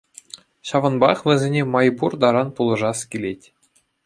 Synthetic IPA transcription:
ɕɑʋɤ̆nbɑχʋʲɘ̆zʲenʲemɑjburd̪ɑɾɑnpulˠɤ̆ʐɑskʲilʲetʲ

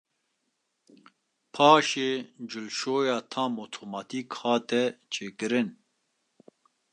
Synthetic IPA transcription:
pʰaːʃeːd͡ʒulʃoːjaːt̪ʰaːmot̪ʰoːmɑt̪ʰiːkhaːt̪ɛt͡ʃʰeːkɨɾɨn

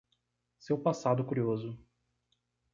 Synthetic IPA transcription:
sewpasad̪ʊkuɾiozʊ

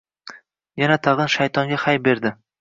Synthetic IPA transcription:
janat̪ʰɑʁɨnʃajt̪ʰɒŋɡʲahajbe̞ɾd̪ɪ

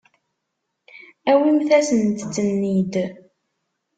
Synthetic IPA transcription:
æwimθæsənt̪t͡sːənːid̪

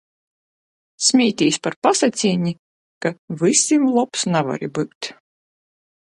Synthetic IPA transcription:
sʲmʲiːt̪ʲiːsʲpaɾpasat̪sʲiːnʲi | kavɨsʲimlˠɔpsnava̰ɾʲḭbɨkt̪ʲ

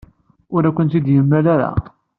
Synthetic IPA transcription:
ʊɾækʷːənt̪id̪jəmːælaɾa̰

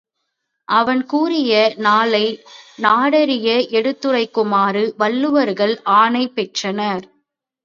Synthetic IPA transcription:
ʔɐʋɐnkuːrɪjɐnaːlɐɪnaːɽɐɾɪjɐʔɛɽɯt̪ːɯrɐɪkːʊmaːrɯʋɐɭːɯʋɐɾɣɐɭʔaːnɐɪpːɛʈrɐnɐɾ

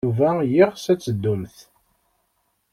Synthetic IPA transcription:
uvæjiʁsæt͡sːəd̪ːumθ

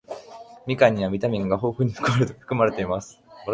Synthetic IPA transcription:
mʲikãɲ̟ːiβamʲit̪amʲĩŋɡaɦo̞ːɸɯ̟ɲ̟iɸɯ̥kɯ̟maɾɯɸɯ̟̥kɯ̟maɾe̞t̪e̞imasɨ̥

